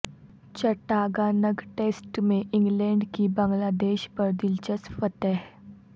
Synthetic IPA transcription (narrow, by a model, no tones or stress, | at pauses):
t͡ɕəʈaːɡaːnəɡʈeːsʈmẽʔɪ̃ŋɡlɛ̃ːɳɖkibə̃ŋɡlaːd̪eːʃpəɾd̪ɪlt͡ʃəsfət̪ɛɦ